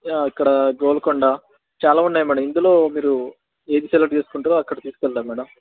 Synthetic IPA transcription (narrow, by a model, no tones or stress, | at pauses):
jaːɐkːɐɽɐɡoːlɐkoɳɖaː | t͡ʃaːlaːunːaːjmɛːɽɐmind̪ulo̞ːmiːɾu | e̞ːd̪isɛlɐʈ̚t͡ʃe̞ːsu̥kuɳʈaːɾoːɐkːɐɽɐt̪iːsukɛld̪aːmɛːɽɐm